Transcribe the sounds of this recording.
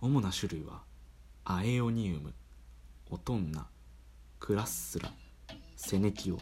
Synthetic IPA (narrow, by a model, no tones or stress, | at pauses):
o̞mo̞naɕɨɾɯ̟iβa̰ | aeo̞ɲ̟iɯmɯ̟ | o̞t̪õ̞nːa̰ | kʰɯ̟ɾasɨ̥sɨɾa̰ | se̞ne̞kʲio̞̰